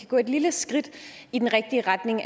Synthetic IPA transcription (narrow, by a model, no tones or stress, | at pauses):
æɡ̥ɔ̰̽ːe̝d̥liləsɡ̥ʁid̥ | id̥enʁɛɡ̥̚d̥iəʁɑ̈d̥ne̝ŋ